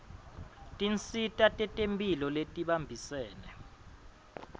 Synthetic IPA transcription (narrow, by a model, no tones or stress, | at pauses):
tʼint͡sʰʼitʼatʼɛtʼempʼilɔletʼiɓambʱisɛːnɛ